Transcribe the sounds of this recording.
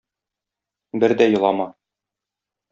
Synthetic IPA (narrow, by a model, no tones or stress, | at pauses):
bɘɾd̪æjŏlˠɑmɑ